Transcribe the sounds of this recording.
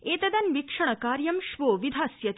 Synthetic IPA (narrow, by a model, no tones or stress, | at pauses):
eːt̪ɐd̪ɐnʋikʂɐɳ̃əkaːɾjɐmʃʋoːʋid̪ʱaːsjɐt̪